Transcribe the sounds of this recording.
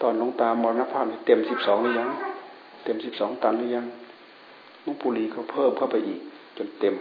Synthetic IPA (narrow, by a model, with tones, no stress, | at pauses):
t̪ɔː˧˩nlo˧˥˨ŋt̪aː˧˩mɔː˧naː˧pʰaː˧˩ni˧˩t̪e˧˩msi˧˦p̚sɔː˨˦ŋlɯː˧ja˧˥˨ŋ | t̪e˧˩msi˧˦p̚sɔː˨˦ŋt̪a˨˧˨nlɯː˧˨ja˧˥ŋ | no˧˥˨puː˧liː˧˩kʰɔ˧˩pʰɤː˧˥˩mkʰa˧˨wpa˧jʔiː˨˩k̚ | t͡ɕo˧˨nt̪e˧˨m